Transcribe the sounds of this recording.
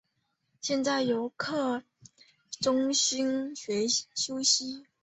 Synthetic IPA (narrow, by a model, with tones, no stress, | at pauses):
ɕjɛ˥˧nt͡sa˥˩ɪjo˧˥ʊkʰɤ˥˩ | ʈ͡ʂʊ˥ŋɕi˥nɕɥɛ˧˥ɕjo˥ʊɕi˥